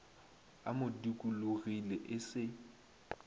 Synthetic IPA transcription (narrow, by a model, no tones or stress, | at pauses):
a̰mʊdikʼuluɣilɛʔɪsɪ